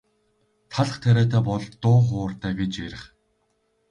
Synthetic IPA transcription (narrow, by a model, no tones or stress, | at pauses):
t̪ʰaɮ̆χt̪ʰæɾæːt̪ʰæːpɔɮt̪ʊːχʊːrt̪æːɡet͡ɕeɾɘ̆χ